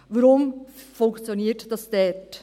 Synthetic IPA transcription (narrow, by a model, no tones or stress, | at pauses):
ʋəɾʊmfʊŋkt͡sjoniːəɾtd̥ɑsd̥ɛt